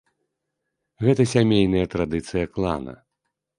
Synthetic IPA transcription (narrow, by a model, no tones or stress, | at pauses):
ɣɛt̪ɐsʲamʲejn̪ɐjɐt̪ɾad̪ɨt̪sɨjɐklˠa̰nɐ̰